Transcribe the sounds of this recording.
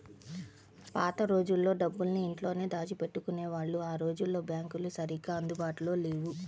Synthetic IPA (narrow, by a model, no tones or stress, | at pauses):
paːt̪ɐɾo̞ːd͡ʒulːo̞ːɖɐbːulniiɳʈlo̞ːneːd̪aːt͡ʃipe̞ʈːukuneːʋaːɭːuaːɾo̞ːd͡ʒulːo̞ːbjaːŋkulusɐɾiɡaːɐnd̪ubaːʈulo̞ːleːwu